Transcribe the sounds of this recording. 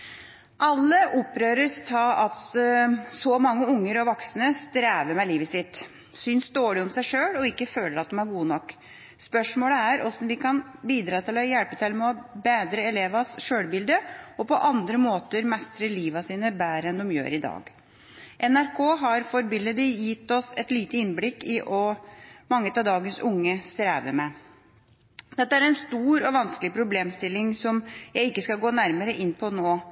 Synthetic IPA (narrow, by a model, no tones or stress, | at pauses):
ʔɑlːəʔɔpːɾøːɾəst̪ʰɑːɑt̪ | sɔmɑŋːəʊŋːəɾɔʋɔksənəst̪ɾæːʋəɾmɛliːʋəsɪt̪ː | syːnsd̪oːɭɪɔmsæɪʂøːlɔɪkːəføːləɾɑt̪̚d̪ɔmæɾɡuːənɔkː | spœʂmoːləæɾʔɔsɔmʋɪkʰɑnbiːd̪ɾɑːt̪ʰɪlɔjɛlpət̪ʰɪlmɛɔbeːd̪ɾəɛleːʋɑsʂøːlbɪld̪əɔpɔʔɑnd̪ɾəmoːt̪əɾmɛst̪ɾəliːʋɑsiːnəbæːɾəɛnd̪ɔmjø̰ːɾɪd̪ɑ̰ːɡ | ʔɛnæɾkʰoːɦɑɾfɔɾbɪlːəd̪ɪjɪt̪ːɔsɛt̪liːt̪əɪnblɪkːɪʔɔmɑŋːət̪ɑd̪ɑːɡənsʊŋːəst̪ɾeːʋə̰ɾmɛ | d̪ɛt̪ːəæɾɛnst̪uːɾɔʋɑnskəlɪpʰɾʊbleːmst̪ɪlːɪŋsɔmjæɪɪkːəskɑlɡoːnæɾməɾəʔɪnːpʰɔnoː